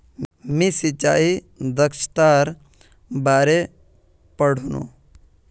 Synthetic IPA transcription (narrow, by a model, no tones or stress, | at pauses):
mĩsit͡ʃaːi | d̪əkʃt̪aːɾ | baːɾe | pəɽ̤ʱunṵ̃